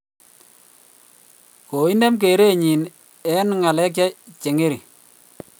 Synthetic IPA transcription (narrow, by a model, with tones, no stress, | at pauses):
ko˨i˦ne˦mk̬e˨ɾe˦ɲi˨n | ɛ˦nŋa˨lɛ˦k̬ja˦t͡ʃe˨ŋe˦ɾi˨